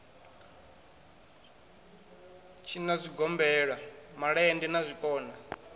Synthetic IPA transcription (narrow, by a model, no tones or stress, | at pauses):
t͡ʃʰinazʷiɡɔmbɛɺamaɺaɛndinazʷikʼɔːna